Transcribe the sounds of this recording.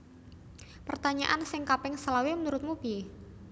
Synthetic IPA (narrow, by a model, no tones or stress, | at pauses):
pərt̪aɲa̰ʔansɪŋkapɪŋsəlawimənuɾʊt̪̚mub̥i